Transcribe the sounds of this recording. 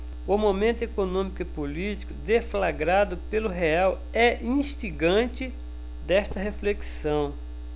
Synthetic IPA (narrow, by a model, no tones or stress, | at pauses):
ʊmomẽnt̪ʊekonõmikʊipolit͡ʃi̥kʊd̪eflaɡɾad̪ʊpelʊɦeaw | ɛĩʃt͡ʃiɡɐ̃t͡ʃɪ | d̪ɛʃt̪ɐɦefleksɐ̃w̃